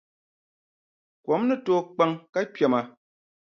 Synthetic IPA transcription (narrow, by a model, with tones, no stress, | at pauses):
kwɔ˨˦mnɨ˦to˦k͡pa˦ŋka˦pja˨ma˨